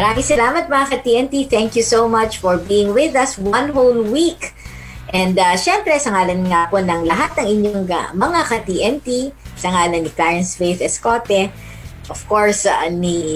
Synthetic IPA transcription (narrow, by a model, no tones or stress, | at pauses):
mɐɾaːmɪŋsɐlaːmɐt̪̚mɐɐkɐt̪iːʔɛnt̪iθɛŋkjusowmɐt͡ʃfɔɹbiːɪŋwɪðɐswɐ̃nɦowlwik | ʔɛ̃nd̪ɐʃɛmpɾɛsɐŋaːlɐnŋaponɐŋlɐɦat̪̚nɐŋɪɲoŋa̰mɐŋakɐt̪iːʔɛnt̪isɐŋaːlɐnːiklaɹɛnsvejfɛskoːt̪ɛ | ʔɔfkoɹsani